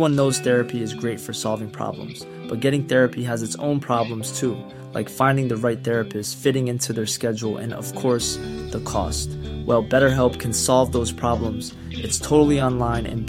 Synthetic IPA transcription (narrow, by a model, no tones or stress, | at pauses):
wʌ̃nːoʊz̥θɛɹɨpʰiɨzɡɹeɪtfə˞sɑlˠvɪ̃ŋpʰɹ̥ɑ̰blə̰̃mz̥ | b̥ʌt̚ɡ̥ɛɾɪ̃ŋθɛɹɨpʰiəzɨtsõ̰ʊ̃npʰɹ̥ɑblə̃mz̥tʰu | laɪkfãɪ̃ndɪ̃ŋðɨɹaɪt̪̚θɛɹɨpɨstsfɪɾɪ̃ŋɪ̃ntʰʉðə˞skɛd͡ʒl̩ˠɨ̰̃nʌ̰v̥kʰɔɹsðəkʰɔ̰stwʔɛlˠbɛɾə˞ɦɛlˠp̚kʰɨ̃nsɑlˠvðoʊz̥pʰɹ̥ɑblə̃mz̥ | ʔɨtstʰoʊɾl̩ˠiɑ̃nlãɪ̃nɨ̰̃n